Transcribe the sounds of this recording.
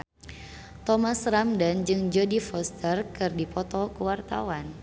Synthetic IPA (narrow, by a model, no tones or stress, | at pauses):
t̪ɔmasramdand͡ʒɨŋd͡ʒɔdifɔst̪ərkɨrdipɔt̪ɔkəwart̪a̰wan